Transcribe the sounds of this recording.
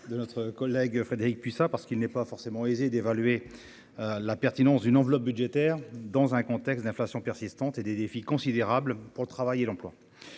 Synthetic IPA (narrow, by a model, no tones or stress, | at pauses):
d̪ənɔt̪χəkɔlɛɡfχed̪eʁik̚pisapaʁsə̥kilnɛpafɔʁsemɑ̃ezed̪evalɥe | lapɛʁt̪inɑ̃sd̪ynɑ̃vlɔp̚byd̪ʒet̪ɛːʁd̪ɑ̃zɛ̃kɔ̃t̪ɛkst̪̚d̪ɛ̃flasjɔ̃pɛʁsist̪ɑ̃t̪ed̪ed̪efikɔ̃sid̪eʁablpuʁlət̪χavajelɑ̃plwa